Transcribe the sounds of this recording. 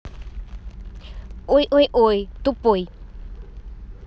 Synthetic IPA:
oiʔojʔojt̪upoj

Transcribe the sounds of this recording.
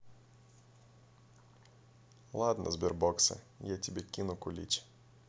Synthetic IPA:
lˠad̪nɐ̰zbʲirbɔksɐ̰ | jɛt̪ʲibʲikʲinʊkʊlʲḭt͡ɕ

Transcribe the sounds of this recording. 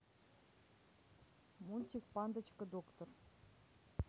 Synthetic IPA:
munʲtʲik̚pɑnd̪ə̆t͡ɕkə̆d̪okt̪or

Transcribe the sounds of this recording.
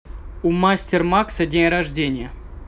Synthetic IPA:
umasʲtʲɪrmaksɐdʲenʲrɐʐdʲenʲɪjə

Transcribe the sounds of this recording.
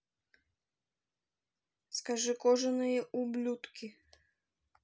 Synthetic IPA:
skaʐɨkɔʐɨnɨjɛʔublʲut̪kʲi

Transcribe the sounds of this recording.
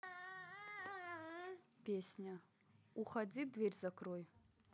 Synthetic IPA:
pʲesʲnʲa | uχad͡zʲidvʲerʲzakʰroj

